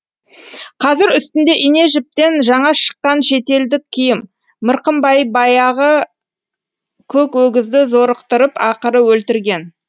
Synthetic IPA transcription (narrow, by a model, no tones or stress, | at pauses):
qʰɑzɪɾʏst̪ɪnd̪e̞ʔine̞ʒɪp̚t̪e̞nʒɑɴɑʃə̥qːɑnʃe̞t̪e̞ld̪ɪkʲʰːijɪmː | əɾqəmbɑjbɑjɑʁə | kʲʰɵkwɵɡʲɪzd̪ɪzo̞ɾəqt̪əɾəpɑqəɾəwɵlt̪ɪɾɡʲe̞n